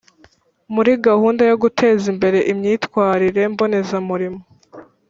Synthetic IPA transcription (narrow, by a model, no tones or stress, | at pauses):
muɾiɡahuːndajoɡutʰe̞ːzimbe̞ɾe̞ʔimɲiːtkwaːɾiɾe̞mbo̞ne̞zamuɾimo